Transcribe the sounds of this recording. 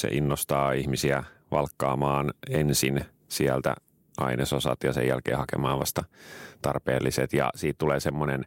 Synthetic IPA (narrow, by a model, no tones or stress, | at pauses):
sḛʔinːost̪ɑːihmisiæʋɑlkːɑːmɑːnensin | siælt̪æ̰ | ʔɑ̰inesosɑ̰t̪jɑsḛjælkḛːhɑkemɑːʋʋɑst̪ɑt̪ɑrpḛːlːiset̪jɑ̰siːt̪t̪uleːsemːonen